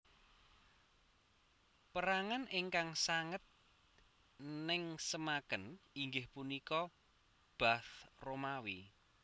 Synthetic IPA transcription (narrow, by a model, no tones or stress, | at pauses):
pəɾaŋanʔɪŋkaŋsaŋət̪̚ | nɪŋsəmakəniŋɡɪhpunikɔ | b̥aθromawi